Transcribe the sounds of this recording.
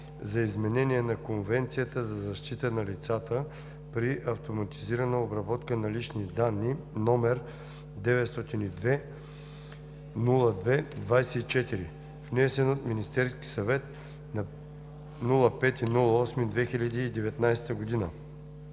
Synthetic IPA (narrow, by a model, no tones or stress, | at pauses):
zɐizmɛnɛniɛnɐkonvɛnt̪sijət̪əzɐzɐʃt̪it̪ənɐlit̪sat̪ə | pɾiʔɐft̪omɐt̪iziɾɐnəobɾɐbɔt̪kənɐlit͡ʃnid̪anːinɔmɛɾ | d̪ɛvɛt̪st̪ɔt̪inid̪vɛ | nulˠəd̪vɛd̪vajsɛit͡ʃɛt̪iɾi | vnɛsɛnot̪minist̪ɛɾski̥sɐvɛt̪ | nɐ | nulˠəpɛt̪inulˠəɔsmid̪vɛxilʲɐd̪iːd̪ɛvɛt̪najst̪əɡod̪inə